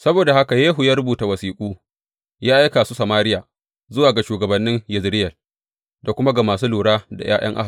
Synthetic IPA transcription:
sɐ˦boː˨da˨ha˦ka˨jeː˦ɦʊ˨ja˦ɾʊ˦buː˨ta˨wɐ˨siː˨kʷʼuː˦ | jaː˦ʔa˦kaː˨su˦sɐ˨maː˦ɾɪ˦jaː˨ | zʊ˦waː˨ɡa˨ʃuː˨ɡɐ˨bɐ˨nːɪ˦ŋjɪ˨zɾɪ˦jɐ˨ | da˨kʷʊ˦ma˦ɡa˨maː˨suː˦luː˨ɽaː˦da̰˨j̰ʔa̰ː˦j̰ɐ˦ŋʔa̰˦˨

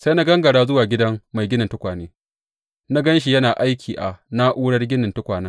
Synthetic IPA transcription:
sa˦na˦ɡɐ˦ŋɡɐ˨ɽaː˦zʊ˦waː˨ɡʲɪ˦dɐ˦ŋma˨jɡʲɪ˦nɪ˨ntʊ˦kʷaː˨neː˦ | na˦ɡɐ˦nʃ̬i˨jɐ˦naː˨ʔa˦jkʲʰiː˨ʔa˨na˦ʔuː˦ɽɐ˦rɡʲɪ˦nɪ˨ntʊ˦kʷaː˨na˦

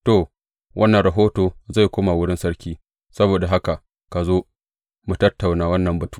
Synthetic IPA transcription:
to˨ | wʔɐ˦nːɐ˨nɾɐ˨ɦoː˦toː˨za˦˨jkʷoː˦ma˨wʊ˦ɽɪ˦nsɐ˦ɽkʲiː˦ | sɐ˦boː˨da˨ɦa˦ka˨ʔ | ka˨zoː˦ | mu˨tɐ˦tːa˨wnaː˦wɐ˦nːɐ˨mbɐ˨tu̥ː˦

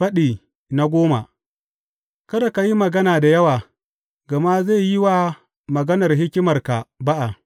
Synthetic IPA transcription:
ɸɐ˦ɗiː˨ | na˨ɡʷoː˦ma̰˨ | kɐ˦ɗa˨ka˨ji˦mɐ˨ɡɐ˦naː˨da˨jɐ˦waː˨ | ɡɐ˨ma˦ze˦˨ji˦waː˦ | mɐ˨ɡɐ˦nɐ˨rɦɪ˦kʲɪ˦mɐ˨rka˨ba˦ʔa˨

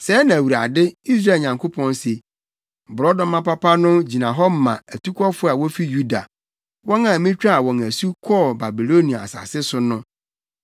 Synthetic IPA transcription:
sɛ˨˦nã˨wu˨ɾa˨dɪ˦i˦sɾa˦˨ɲã˨ŋkʰo˦pʰɔ̃˦n˦se˨ | bʊ˨ɾɔ˦dɔ̃˦mã˦pa˦pʰa˦nʊ̃˦d͡ʑi˨nã˨ɦɔ˦m˦mã˨æ˨tʰu˦kʷʰɔ˦fʊ˦a˨wɔ˦fi˦ju˦da̰˨ | wɔ̃˦ŋã˦˨mĩ˦t͡ɕᶣa˦˨wɔ̃˨ŋæ˨su˦kʰɔ˦˨ba˨bi˨lo˦nĩ˨a˨a̰˨sa̰˨sɪ˦sʊ˦nʊ̃˦

